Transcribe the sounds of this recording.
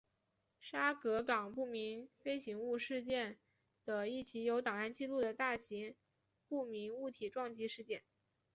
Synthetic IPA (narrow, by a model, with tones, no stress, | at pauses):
ʂa˥kɤ˧˥kɑ˨˩ŋpu˥˩mi˧˥nfe˥ɪɕi˧˥ŋu˥˧ʂɻ̩˥˧t͡ɕjɛ˥˩n | d̪̥ə˩i˥˩t͡ɕʰi˧˥jo˧˥ʊt̪ɑ˨˩ŋa˥˧nt͡ɕi˥˧lu˥˩d̪ə˩t̪a˥˩ɕi˧˥ŋ | pu˥˩mi˧˥nu˥˩t̪ʰi˨˩ʈ͡ʂwɑ˥˩ŋt͡ɕi˧˥ʂɻ̩˥˧t͡ɕjɛ˥˩n